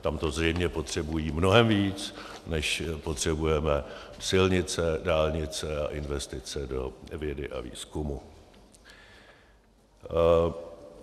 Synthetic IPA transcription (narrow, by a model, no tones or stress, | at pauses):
t̪amt̪o̞zrɛjmɲɛpo̞t̪r̝̥ɛbujiːmno̞ɦɛmviːt͡s | nɛʃpo̞t̪r̝̥ɛbujɛmɛsɪlɲɪt͡sɛdaːlɲɪt͡sɛaʔɪnvɛst̪ɪt͡sɛdo̞vjɛdɪʔa̰vḭːskumu